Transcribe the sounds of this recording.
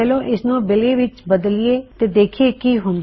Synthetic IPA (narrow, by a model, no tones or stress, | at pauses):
ɛlõːʔɪsnũːbɪleːʋɪt͡ʃbəd̪lɪeːt̪eːd̪eːkʰieːkiːɦʊ̃nd̪